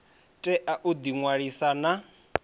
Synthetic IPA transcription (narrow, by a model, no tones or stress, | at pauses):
tʼɛʔaʔud̪iŋwaɺisana